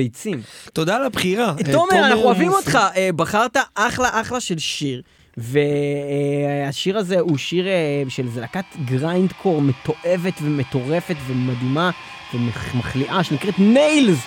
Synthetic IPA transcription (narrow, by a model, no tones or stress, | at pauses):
ejt͡simt̪od̪aːlabχiʁatomeʁanaχnuavimo̞t̪χaebaχaʁt̪aʔaχlaʔaχlaʃe̞lʃiʁ | ve | aʃiʁazeuʃiʁeʃelzelakat̪ɡʁajnd̪kʰo̞ʁmet̪o̞ʔe̞ve̞tvemet̪o̞ʁe̞fe̞tvemad̪ima | vemmaχliʔaʃenikʁetmejlz